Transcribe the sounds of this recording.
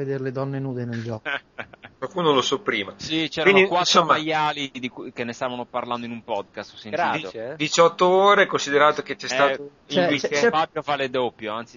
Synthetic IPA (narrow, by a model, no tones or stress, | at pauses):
ed̪eɾeled̪ɔnːenuːd̪eneld͡ʒɔkkwalkunolosɔpːɾiːmasit͡ʃɛːɾainnd̪ikwansomːaajaːlid̪ikkenːest̪avanoparland̪oinumpɔd̪kast̪ɔsːenɡ̪diit̪od̪it͡ʃɔt̪ːooːɾekonsid̪eɾaːt̪oket͡ʃɛst̪aːo | iifabjofaled̪opːjoant̪si